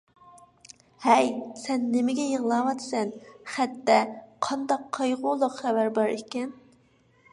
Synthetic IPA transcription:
hɛjsɛnːɪmɪɡʲɛjəʁlˠɑːwɑd̪sɛnχæt̪ːɛqʰɑnd̪ɑqʰːɑjʁʊlˠʊqχævæɾbɑɾekʲɛn

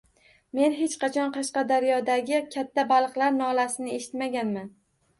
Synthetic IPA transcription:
me̞nɦet͡ʃqɑt͡ʃʰɒnqʰɑʃqɑd̪aɾjɒd̪aɡʲɪkʲʰat̪ʰːabalˠɨqlˠaɾnɒlasɪnɪe̞ʃɪ̥t̪maɡʲanman

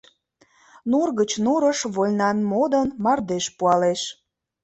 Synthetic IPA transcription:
nurɣət͡ɕnuɾəʃβolnɑnmod̪ənmɑrd̪eʃpuɑleʃ

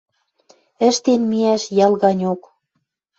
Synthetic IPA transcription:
ə̆ʃt̪enmiæʃjɑlɣɑnʲok

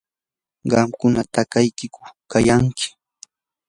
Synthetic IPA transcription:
ɢɑmkʊnat̪akajkɪkʊkajaŋkʰɪ̥

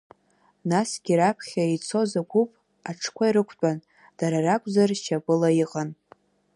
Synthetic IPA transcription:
nasɡʲiɾapʰχʲait͡sʰo̞zaɡʷupʼ | aʈ͡ʂʰkʷʰaiɾɨkʷʰt͡pʷʼan | d̥aɾarakʷʼzart͡ʃʰapʼɨlaiqʼan

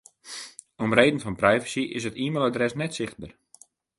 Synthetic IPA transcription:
omreːdən̩fɔnprɛjvəsiʔɪs̬ətiːməlˠadrɛsnɛtsɪxt̚bər

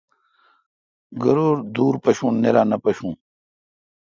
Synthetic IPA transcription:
ɡɐɾoːɾd̪uːɾpɐɕũːneɾaːnɐpɐɕũː

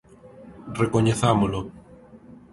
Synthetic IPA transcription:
rekoɲeθamolo

